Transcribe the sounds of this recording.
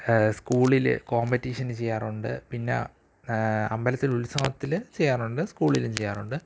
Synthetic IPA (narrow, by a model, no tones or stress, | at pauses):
skuːɭilɨ̰ko̞ːmbetːiːʂɐnɨt͡ɕe̞jːaːruɳɖɨ̰pinːḛ | ɐmbɐlɐt̪ːilulsɐmɐt̪ːilt͡ɕejːaːruɳɖɨskuːɭilumt͡ɕejːaːruɳɖɨ